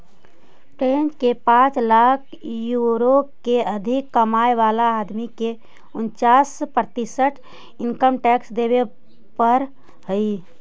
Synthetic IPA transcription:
ʈend͡ʒkepãt͡ʃlakʰjuɾokeəd̪ʱɪkːəmaeʋalaːd̪mike | ʊnt͡ʃaspɾət̪isəʈʰ | ɪnkəmʈɛksd̪eβe | pəɾ | ɦəi

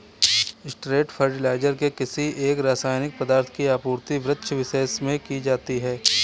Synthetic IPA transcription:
ɪsʈɾeːʈfʰəɾʈɪlaːɪd͡ʒəɾkekɪsiʔeːkɾaːsaːɪnɪk̚pɐd̪aːɾt̪ʰkiaːpuːɾt̪iʋɾɪt̪ːʃʋɪseːsmẽkid͡ʒaːt̪iɦɛː

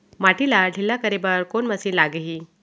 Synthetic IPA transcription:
maʈilalilːakəɾebəɾkonməsiːlaɡeɦiː

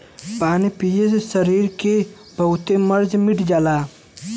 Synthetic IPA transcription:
paːnipiesesəɾiːɾke | bɐɦʊt̪emɐɾd͡ʒmɪʈʰd͡ʒaːlaː

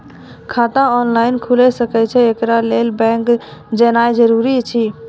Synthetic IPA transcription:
kʰat̪ãɔnlaɪnkʰulɛsəkɛt͡ʃʰɛekɾalelbɛ̃ŋkd͡ʒənajd͡ʒəɾuɾit͡ʃʰi

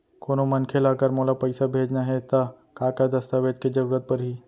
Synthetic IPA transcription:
koːnomɐnkʰelaːɡəɾmoːlapɐɪsabʱeːd͡ʒnaɦɛt̪a | kaːkad̪ɐst̪aʋeːd͡ʒked͡ʒɐɾuːɾət̪̚pəɾɦiː

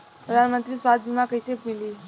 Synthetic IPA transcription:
pɾəd̪ʱanmənt̪ɾiːsʋad̪imakəjsepmiliː

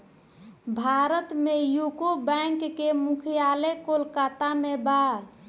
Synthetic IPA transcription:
bʱaɾət̪mejukobɛŋkːemukʰijalekolkat̪ameba

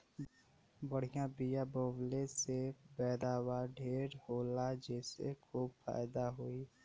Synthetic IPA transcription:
bəɽ̤ijãbɪjaboːblesebɛːɾaːwaɖʱeːɾhoːlad͡ʒɛːsḛkʰuːbfa̰ːjd̪aɦoːiː

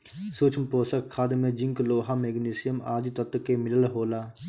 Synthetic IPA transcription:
suːt͡ʃʰmpɾoːsəkkʰːaːd̪mẽd͡ʒɪ̃ŋkloːɦameːɡniːsɪjəma̰ːd̪it̪ət̪kemɪləlɦoːlaː

